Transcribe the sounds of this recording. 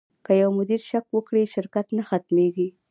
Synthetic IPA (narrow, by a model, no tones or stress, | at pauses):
kəjawmʊd̪iɾʃakwəkɽiʃɪɾkat̪naxat̪meɡi